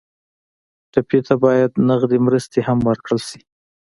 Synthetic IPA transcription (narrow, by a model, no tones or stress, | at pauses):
ʈapjet̪abɑjad̪naɣd̪emɾəst̪ehamwəɾkɽəlʃi̥